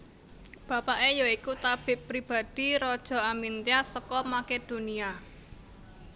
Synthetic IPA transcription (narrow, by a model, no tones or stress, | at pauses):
b̥ä̤paʔejɔikut̪ab̥ɪ̤pɾib̥a̤d̪̥i̤ɾɔd̥ʒ̥ɔ̤amint̪jasəkɔmaked̪̥o̤nia